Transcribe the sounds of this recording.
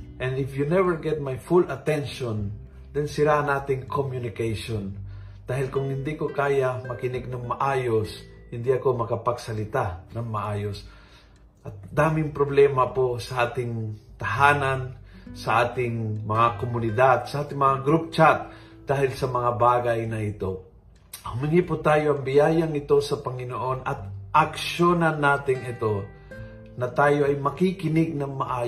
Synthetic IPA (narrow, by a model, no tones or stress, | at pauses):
ʔɛ̃nd̪ɪfjunɛvɛɹɡɛt̪̚majfulɐt̪ɛnʃon | d̪̥ɛnsɪɾaʔnʔaːt̪ɪŋkʰomjʊnɪkɛjʃon | d̪aːhɪlkʊŋhɪnd̪ikokaːjamɐkɪnɪɡ̚nɐŋmɐʔaːjos | hɪnd̪iʔɐko̞mɐkɐpɐɡsɐlɪt̪anɐŋmɐʔaːjos | ʔɐt̪̚d̪aːmɪŋpɾoblɛːmɐposɐʔaːt̪ɪŋt̪ɐɦaːnansɐʔaːt̪ɪŋmɐŋakomʊnɪd̪ad̪̚sɐʔaːt̪ɪŋmɐŋaɡɾup̚t͡ʃat̪̚ | d̪̥aːhɪlsɐmɐŋabaːɡajnɐʔɪt̪o̞ | hʊmɪŋipʊt̪aːjo̞ʔɐŋbɪjaːjaŋɪt̪o̞sɐpɐŋɪnoʔo̞nɐt̪̚ʔɐkʃjonɐnːaːt̪ɪŋɪt̪o̞ | nɐt̪aːjo̞ʔɐjmɐkikɪnɪɡ̚nɐŋmɐʔaːj